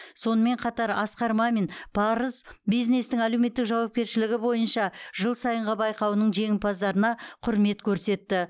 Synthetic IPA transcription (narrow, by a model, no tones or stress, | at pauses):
so̞nəme̞ɴqʰɑt̪ɑɾɑsqɑɾmɑmenbʰɑɾəzbijzne̞st̪ɪŋæle̞wme̞t̪ːɪkʒɑwɑp̚kʲe̞ɾʃɪlɪɡʲɪbo̞jənʃɑʒəlˠsɑjəɴʁɑbɑjqɑwnəɴʒe̞ŋʲɪmpʰɑzd̪ɑɾənɑqʰʊɾme̞t̪kʲʰɵɾse̞t̪ːɪ